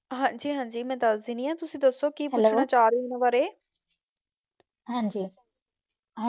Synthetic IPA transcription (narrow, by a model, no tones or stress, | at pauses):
ɦãːd͡ʒiːɦãːɲd͡ʒiːmɛ̃ːt̪aːzɪnĩːãːt̪ʊsĩːd̪əsoːkiːpʊɳːaːt͡ʃaːɾinəʋaːɾeː | ɦãːɲd͡ʒiː | ɦ